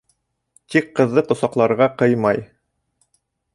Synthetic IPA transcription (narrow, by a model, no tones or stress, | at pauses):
t̪ikqːɤ̆ðːɤqŏsɑqlˠɑɾʁɑqɤjmɑj